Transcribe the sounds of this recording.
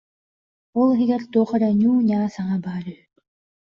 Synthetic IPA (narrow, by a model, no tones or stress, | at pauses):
ɔlˠiɦiɡɛɾt̪uːχɔɾaɲuːɲaːsaŋabaːɾy